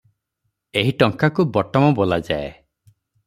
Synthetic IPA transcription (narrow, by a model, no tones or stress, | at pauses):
eɦiʈɔŋkakubɔʈɔmɔbɔlad͡ʒae